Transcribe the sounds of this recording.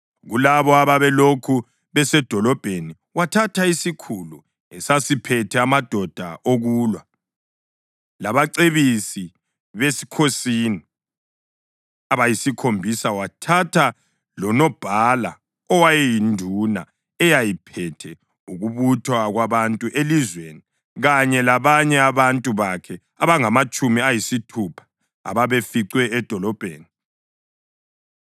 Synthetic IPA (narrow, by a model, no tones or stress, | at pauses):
ɣulaβɔaβaβɛlokʰu | βɛsɛd̥ʱɔlɔb̥ʱeni | watʰatʰaisikʰulu | ɛsasipʰɛtʰɛamad̥ʱɔd̥ʱa̰ʔoɣuːlwa | laβaǀeβisi | βesi̥kʰosini | aβajisikʰombʱisawatʰatʰa | lɔnɔb̥ʱala | ɔwajɛjindʱuna | ɛjajipʰɛtʰɛ | uɣuβutʰwaɣwaβantʼuʔelizweni | ɣaɲɛlaβaɲɛaβantʼuβakʰɛ | aβaŋamat͡ʃʼumiajisitʰupʰḁ | a̰βaβefiǀwɛːd̥ʱɔlɔb̥ʱḛːni